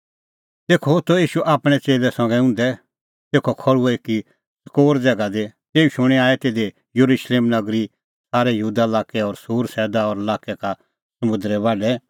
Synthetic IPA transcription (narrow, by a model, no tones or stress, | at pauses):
t̪eːkʰot̪ojiːʃuʔaːpɽ̃ɛt͡seːlɛsɐ̃ŋɡɛʊ̃ːnd̪ɛ | t̪eːkʰokʰɔɭueki | sɐ̥koːɾd͡zɛːɡad̪et̪eːuʃʊ̃ɽ̃ɛaːɛt̪eːd̪e | jəɾuʃleːmnɐɡɾi | saːɾɛjəɦuːd̪alaːkɛɔɾsuːɾsɛːd̪aɔɾəlaːkɛka | sɐmʊ̃nd̪ɾɛβaːɖɛ